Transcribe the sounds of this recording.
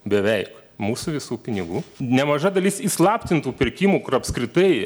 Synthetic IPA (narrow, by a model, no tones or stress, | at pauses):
bʲɛʋʲɛɪk | muːsuʋʲɪsuːpʲɪnʲɪɡuːnʲɛmɐʒɐd̪ɐlʲisislˠɑːpʲt̪ʲɪnt̪uːpʲɪɾʲkʲiːmuːkʊrɐpskɾʲɪt̪ɐɪ